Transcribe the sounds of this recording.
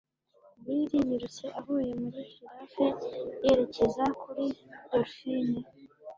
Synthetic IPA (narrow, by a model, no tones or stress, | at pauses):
biɾiɲiɾut͡se̞ʔaβuːje̞muɾikiɾafeje̞ɾe̞ce̞zakʰuɾidoɾfine